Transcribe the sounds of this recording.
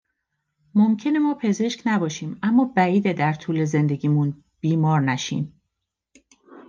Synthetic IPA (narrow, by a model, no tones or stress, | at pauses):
momcʰe̞nemɒːpʰe̞ze̞ʃcnæbɒːʃiːmæmːɒːbæiːd̪ed̪æɾt̪ʰuːle̞ze̞nd̪e̞ɡʲiːmun | b̥iːmɒːɾnæʃḭːm